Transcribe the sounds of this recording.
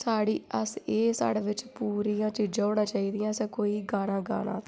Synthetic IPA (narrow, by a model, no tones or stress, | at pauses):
saːɽiːʔəseːsa̰ːɽeːʋɪt͡ʃpuːɾiːãːt͡ʃiːd͡ʒãːoːɽãːt͡ʃaːiːd̪ɪjãːsɛ̃ːkoːiːɡaːnãːɡa̰ːna̰ːt̪ː